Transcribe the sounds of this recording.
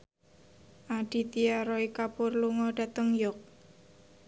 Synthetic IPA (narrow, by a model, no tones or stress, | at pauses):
ʔaɖ̥i̤t̪iaɾɔikapʊrluŋɔɖ̥ä̤t̪əŋjɔk̚